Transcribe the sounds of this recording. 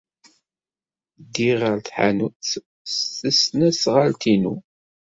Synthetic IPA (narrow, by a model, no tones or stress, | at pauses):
d̪iʁəɾθħa̰nuθ | θəsnæsʁalt̪inu